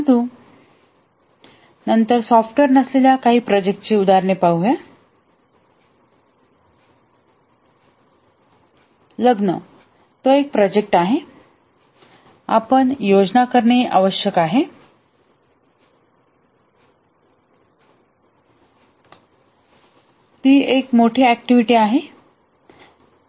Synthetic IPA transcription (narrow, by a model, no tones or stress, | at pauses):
əd̪u | nənt̪əɾsɔfʈʋeɾnəsleljakaɦiːpɾɔd͡ʑek̚ʈt͡ɕeud̪aɾɳepaɦuʋe | ləɡnə̰ | t̪oek̚pɾɔd͡ʑek̚ʈaɦe | a̰pəɳjod͡ʑnakəɾɳeʔa̰ʋəɕjəkaɦe | t̪iːekmoʈʰeæk̚ʈiʋiʈiːaɦe